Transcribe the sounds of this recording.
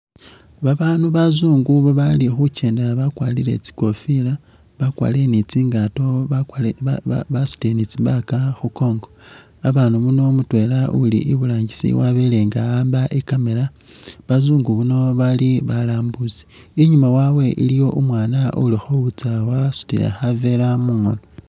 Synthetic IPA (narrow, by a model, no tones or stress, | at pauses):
βaβaːnuβazuːŋɡuβoβalixuce̞ːndeaβakwalile̞̰t͡si̥ko̞fila | βakwa̰ːle̞nit͡siːŋɡato̞ | βasu̥tenit͡siβakaxuko̞ːŋɡo | aβaːnumuno̞mutwe̞laulḭʔiβulaːɲɟisḭwaβele̞ŋɡaaːmbaʔekame̞la | βazuːŋɡuβuno̞βaliβalaːmbuzi̥iɲumawawe̞ʔilijo̞ʔumwaːnaʔulixoβut͡sawasu̥tḭlḛxave̞lamuːŋo̰no